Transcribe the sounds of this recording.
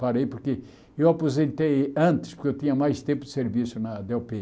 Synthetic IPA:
pɐɾejpoɾke | ewapozẽnt̪ejɐ̃nt̪ɪ̥ʃpʊɾkeewt̪ĩɲɐmajʃt̪ẽmpʊd̪ɪseɾvisunɐd̪ɛɔpe

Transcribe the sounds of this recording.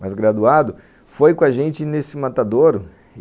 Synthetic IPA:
mazɡɾad̪uad̪ʊ | fojkõaʒẽnt͡ʃɪnesɪmat̪ad̪oɾ

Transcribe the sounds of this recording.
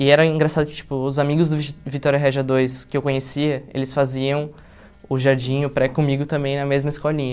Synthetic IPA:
ɪɛɾɐĩɡɾasad̪ʊkɪ̥t͡ʃi̥pʊːzamiɡʊzd̪ʊvivit̪ɔɾʲjɐɦɛʒɐd̪ojskɪewkõɲesiɐḛlɪsfaziɐ̃w̃ | ʊʒaɾd͡ʒĩj̃ʊpɾɛkõmiɡʊt̪ɐ̃mbẽj̃nɐmezmɐɪskɔʎĩɲɐ

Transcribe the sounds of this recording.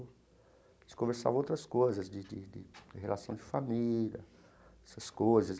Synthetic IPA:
ɪ̥kõveɾsa̰vowt̪ɾɐskojzɐzd͡ʒɪd͡ʒɪd͡ʒɪ̰d͡ʒɪɦelasɐ̃w̃d͡ʒɪfamilɐ̰ | ɛsɐskojzɐs

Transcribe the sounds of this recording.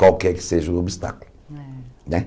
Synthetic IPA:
kwalkɛɾkɪ̥seʒɐobist̪a̰kulu | nɛ̃

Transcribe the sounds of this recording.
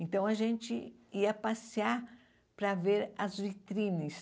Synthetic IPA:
ẽnt̪ɐ̃w̃ɐʒẽnt͡ʃɪiɐpasiaɾ | pɾɐveɾɐzvit̪ɾĩnɐs

